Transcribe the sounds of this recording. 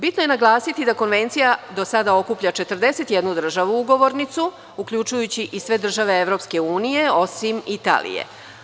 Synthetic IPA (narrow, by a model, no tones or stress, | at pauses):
bit̪noje̞naɡlˠaːsit̪id̪ako̞nʋe̞nt̪sijad̪o̞sad̪ao̞kupʎat͡ʃe̞t̪r̩d̪e̞se̞t̪jed̪nud̪r̩ʒaʋuuɡo̞ʋoɾnit̪su | ukʎʲut͡ʃujut͡ɕiʔisʋe̞d̪r̩ʒaʋe̞eʋɾo̞pske̞uːnije̞o̞simit̪a̰ːlḭjḛ